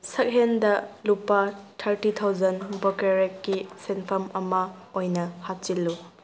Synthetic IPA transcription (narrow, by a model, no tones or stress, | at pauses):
sɐk̚ɦendɐlupːatʰɐɾtit̪ʰawd͡ʒɐnbɐkeɾekːisenpʰɐmɐmɐ | ojnɐhat̚t͡ʃilːu